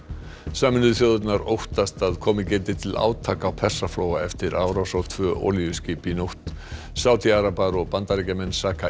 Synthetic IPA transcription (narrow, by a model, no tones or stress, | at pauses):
saːmɪnʏðθjowðʏt̪naɾowht̪ast̪aðkʰɔːmɪcɛːt̪ɪt̪ʰɪla̰ːwt̪ʰaːkawpʰɛr̥safloːwɣaɛft̪ɪɾaːwɾawsaw̥t̪ʰvœːʔo̰ːlijʏscɪːpinowht̪ | saːwt̪ʰiaɾapaɾɔɣpant̪aɾɛcamɛnsaːka